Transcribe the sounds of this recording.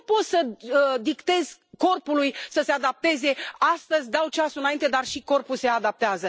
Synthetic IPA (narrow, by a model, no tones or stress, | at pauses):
po̞t̪səd̪ikt̪e̞z̥ko̞rpulujsəse̞ad̪ap̚t̪e̞ze̞ast̪əzʲd̪awt͡ʃasuɨnaint̪e̞d̪arʃiko̞rpuse̞ad̪ap̚t̪eazə